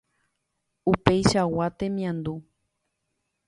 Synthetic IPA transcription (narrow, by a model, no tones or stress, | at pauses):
upe̞jʃawat̪ẽ̞mĩãnd̪u